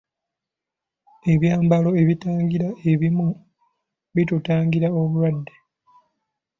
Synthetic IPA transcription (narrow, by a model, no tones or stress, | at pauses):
e̞βjaːmbalo̞e̞βitaːŋɡiɾae̞βimu | βitutaːŋɡiɾaoβuɾwadːe̞